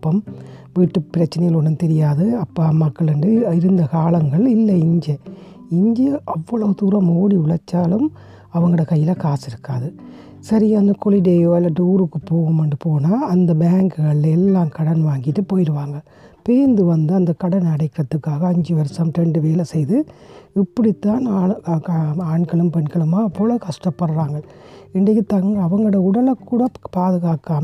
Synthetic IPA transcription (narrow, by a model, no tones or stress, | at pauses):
pːɐmʋiːʈːɯpɪɾɐt͡ʃːɐnɐjɣɐlɔɳːɐnt̪ɛɾɪjaːðɯɐpːamːɐkːɐɭɛɳɖɯɪɾɯnd̪ɐkaːlɐŋɡɐɭɪlːɐɪɲd͡ʒɐ | ɪɲd͡ʒɐʔɐʋːɐɭɐʋɯt̪uːɾɐmoːɽiʊɭɐt͡ʃːaːlɯm | ɐʋɐŋɡɐɯɽɐkɐjːɪlɐkaːsɪɾɯkːaːðɯ | sɐɾijɐɐnd̪ɐkɔɭiɖeːaːlɐɖuːɾɯkːɯpoːɣɯmɐɳɖɯpoːnaːɐnd̪ɐbaːŋkɯɣɐɭɛlːaːmkɐɽɐnʋaːŋɡɪʈːɯpoːjɪɾɯʋaːŋɡɐ | peːnd̪ɯʋɐnd̪ɯɐnd̪ɐkɐɽɐnɐɽɐɪkːɪɾɐt̪ːɯkːaːɣɐɐɲd͡ʒɯʋɐɾsɐmʈɛɳɖɯʋeːlɐsɛjðɯɪpːɐɽit̪ːaːnaː | aːɳkɐɭɯmpɛɳkɐɭɯmaːpːoːlɐkɐʂʈɐpːɐɽɾaːŋɡɐɭɪɳɖɐkːɯt̪ːaːŋɡɐɐʋɐŋɡɐɯɽɐʊɽɐlɐkːuːɽɐpaːðɯɣaːkːaːm